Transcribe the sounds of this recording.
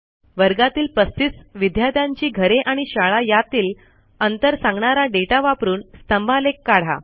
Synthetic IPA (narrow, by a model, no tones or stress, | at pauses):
ʋəɾɡat̪iːlpəst̪isʋid̪ʱjad̪jãɲt͡ɕiːɡʱəɾeʔaɽ̃iɕaɭajat̪iːl | ənt̪əɾsãŋɡɳaɾaɖeʈaʋapɾuːnst̪əmbʱalekːaɽ̤a̰